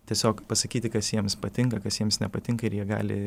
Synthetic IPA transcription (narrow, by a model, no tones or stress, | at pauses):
t̪ʲiɛsʲoːkpɐsɐkʲiːt̪ʲɪkɐsjiɛmspɐt̪ʲɪŋkɐkɐsjiɛmsnʲɛpɐt̪ʲɪŋkɐɪɾjiɛɡɑ̰ːlʲɪ̰